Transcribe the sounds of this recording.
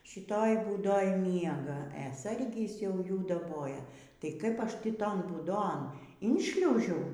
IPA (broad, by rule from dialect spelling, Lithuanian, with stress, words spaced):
ʃʲɪˈtoːj buːˈdoːj ˈmʲiɛɡɐ ɛ ˈsɐrʲɡʲɪs jɛʊ ˈjuː dɐˈboːjɛ tɐɪ ˈkɐɪp ˈɐʃ ˈtʲiː ˈtoːn buːˈdoːn ɪnʲˈʃʲlʲɛʊʒʲɛʊ